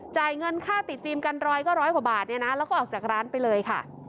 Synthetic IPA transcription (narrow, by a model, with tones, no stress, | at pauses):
t͡ɕaː˨˩jŋɤ˧nkʰaː˥˩t̪i˨˩t̪̚fiː˧mka˧nɾɔː˧jkɔː˥˩ɾɔː˦˥jkwa˨˩˦baː˨˩t̪̚ni˥˩ɐna˦˥lɛː˦˥wkɔː˥˨ɔː˨˩k̚t͡ɕaː˨˩k̚ɾaː˦˥npa˧jlɤː˧jkʰa̰˥˩